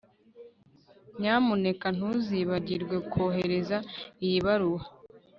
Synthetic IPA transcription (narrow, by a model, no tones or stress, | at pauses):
ɲaːmune̞kan̥huziβaɟiɾɡwe̞kʰo̞ːɦeɾe̞zaijiβaɾuwa